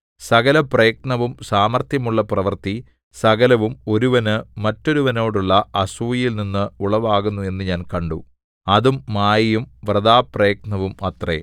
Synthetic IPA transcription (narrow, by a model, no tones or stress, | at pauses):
sɐɣɐlɐprejːk̚nɐʋumsaːmɐrt̪jɐmuɭːɐprɐʋɐrt̪i | sɐɣɐlɐʋumo̞ɾuʋɐnɨmɐtːo̞ɾuʋɐno̞ːɽuɭːɐɐsuːjjilninːɨuɭɐʋaːɣunːue̞nːɨɲaːnkɐɳɖu | ɐðumːaːjɐjumʋrɐðaːprejːk̚nɐʋumɐt̪rḛ